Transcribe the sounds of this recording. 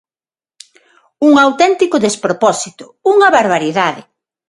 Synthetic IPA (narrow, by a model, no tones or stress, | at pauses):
uŋawt̪ɛnt̪ikʊðespɾopɔsit̪ʊ̥ | uŋɐβaɾβaɾiðaðɪ̰